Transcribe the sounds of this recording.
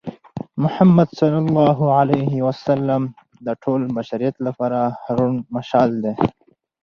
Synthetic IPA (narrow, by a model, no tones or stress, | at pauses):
mʊħamːad̪sɑlːalːɑːɦuʕalejhiwasalːam | d̪əʈʰolmaʃaɾijat̪lapɑːɾahaɾunmaʃɑːld̪e